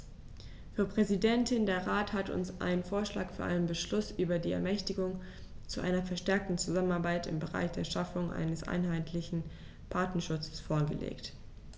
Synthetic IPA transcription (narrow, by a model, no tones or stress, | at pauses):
fyːɐpʁ̥ɛzidɛntʰɪndeːɐʁaːthatʊ̰nsʔa̰ɪnənfoːɐʃla̰ːkfyːɐʔa̰ɪnənbəʃlʊsʔyːbɐdiːɛ̰ɐmɛçtɪɡʊŋ | t͡suʔa̰ɪnɐfɛɐʃtɛɐk̚tn̩t͡suzamənaɐbaɪtɪ̰mbəʁa̰ɪçd̥eːɐʃafʊŋʔa̰ɪnəsʔa̰ɪnɦaɪtʰlɪçn̩ | pʰaɐtnɐʃʊt͡sə̥sfoːɐɡə̰lḛːkt